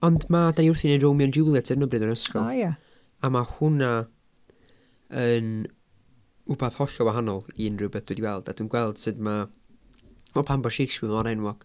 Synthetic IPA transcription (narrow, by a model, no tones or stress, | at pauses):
ɔndmadaniʊrθinerowmjɔnd͡ʒulˠjatʰɨɾnəbrɨdənəskɔlˠja | amahʊna | ən | ʊbaðhɔɬɔwaɦanɔlˠinrɨbɛθd̥wɛdiwɛlˠd̥ad̥wuːnɡwɛlˠd̥sɨdma | ɔpʰambɔʃejkswɪvɔɾɛnwɔɡ̥